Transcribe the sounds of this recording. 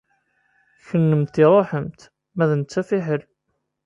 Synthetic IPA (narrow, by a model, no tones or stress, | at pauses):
çənːəmt̪ɪɾˤoħəmt̪ | mæðənt͡sːæfiħəl